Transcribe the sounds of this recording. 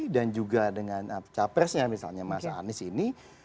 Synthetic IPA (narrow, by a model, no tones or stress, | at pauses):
dand͡ʒuɡadəŋanat͡ʃapɛrsɲamisa̰lɲamasa̰ːnɪsini